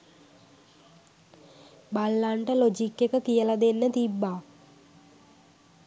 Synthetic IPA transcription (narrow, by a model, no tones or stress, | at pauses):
balːaɳʈəlod͡ʒikːekəkijəlad̪enːət̪ibːaː